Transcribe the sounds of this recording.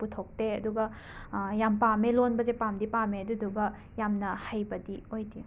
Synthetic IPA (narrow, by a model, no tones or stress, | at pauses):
putʰok̚teɐduɡɐ | jampamelonbɐzepamdipameɐduduɡɐ | jamnɐhajbɐdiojdi